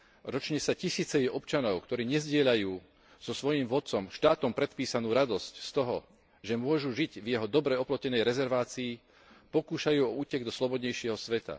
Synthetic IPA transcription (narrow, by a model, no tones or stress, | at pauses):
ɾɔt͡ʃɲɛsacisiːt͡sɛjɛʔɔpt͡ʃanɔʊkt̪ɔɾiːɲɛzɟɪɛʎajuː | z̥ɔsʋɔjiːmʋɔt̪̚t͡sɔmʃt̪aːt̪ɔmpɾɛt̪piːsanuːɾad̪ɔscst̪ɔɦɔ | ʒɛmʊɔʒuʒiɟvjɛɦɔd̪ɔbɾɛɔplɔcɛnɛjɾɛzɛɾʋaːt͡siː | pɔkuːʃajuːɔuːcɛɡd̪ɔslɔbɔd̪ɲɛjʃɪɛɦɔsʋɛt̪a̰